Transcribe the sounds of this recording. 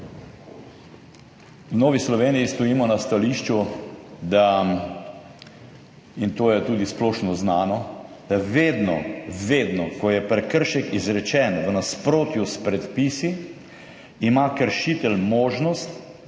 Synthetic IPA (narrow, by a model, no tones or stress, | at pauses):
wnɔːʋislɔʋeːnijist̪ɔjiːmɔnast̪aliʃt͡ʃud̪a | int̪oːjɛt̪uːd̪isplɔːʃnɔznaːnɔd̪̥aʋeːd̪nɔ̰ʋeːd̪nɔkɔjɛpɾɛkəɾʃɛkizɾɛt͡ʃɛnʋənaspɾoːt̪juspɾɛt̪pisi | imakəɾʃit̪ɛlmoːʒnɔst̪